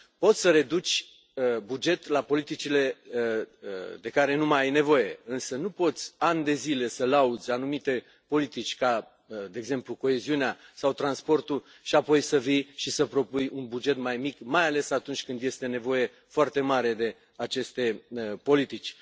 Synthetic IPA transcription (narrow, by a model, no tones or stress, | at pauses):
po̞t̪sʲsəɾe̞d̪ut͡ʃʲ | bud͡ʒe̞t̪lapo̞lit̪it͡ʃile̞ | d̪e̞kaɾe̞numajajne̞vo̞je̞ɨnsənupo̞t̪sʲanʲd̪e̞zile̞səlaud̪zʲanumit̪e̞ | po̞lit̪it͡ʃʲka | d̪e̞eːɡze̞mpluko̞e̞ziuneasawt̪ɾanspo̞rt̪u | ʃiapo̞jsəvijʃisəpɾo̞pujunbud͡ʒe̞t̪majmikmajale̞sat̪unt͡ʃʲkɨnd̪je̞st̪e̞ne̞vo̞je̞ | foart̪e̞maɾe̞d̪e̞ | at͡ʃe̞st̪e̞po̞lit̪it͡ʃʲ